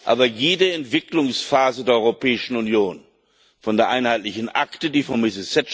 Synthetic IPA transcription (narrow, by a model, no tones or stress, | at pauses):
ʔa̰ːbɐjeːdəɛntv̥ɪklʊŋsfaːzədeːɐɔʁopʰɛːɪʃn̩unjoːn | fɔndeːɐʔaɪnhaɪtlɪçn̩ʔaktədiːfɔnmɪsɪsɛt